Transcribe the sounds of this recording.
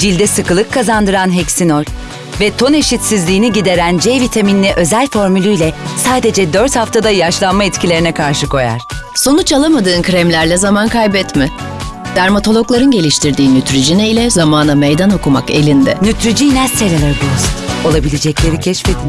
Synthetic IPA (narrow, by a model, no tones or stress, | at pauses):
d͡ʒilʲd̪ɛsɯkɯlˠɯkʰːazand̪ɯɾanɦɛcsinolʲ | vɛt̪ʰo̞ne̞ʃit̪sizlʲiːniɟid̪e̞ɾænd͡ʒɛjvit̪ʰaminːʲɛʔø̞zælʲfo̞ɾmylʲyjlʲɛsaːd̪e̞d͡ʒɛd̪øɾt̪haft̪ʰad̪ajaʃlˠanmait̪cʰilʲeɾinɛkʰaɾʃɯkʰo̞ja̰ɾ̥ | so̞nut͡ʃalˠamad̪ɯːnkʰɾɛmlʲæɾlʲɛzamankʰajbɛt̪mɪ | d̪̥æɾmat̪ʰo̞lˠo̞klˠaɾɯnɟe̞lʲiʃt̪ʰiɾd̪iːnyt̪ɾid͡ʒinɛjlʲɛzamaːnamejd̪ano̞kuma̰ke̞̰lʲind̪ɛ̰nyt̪ɾid͡ʒinɛst̪elʲalˠaɾbulˠasno̞lˠabilʲed͡ʒɛclʲe̞ɾicʰɛʃfed̪i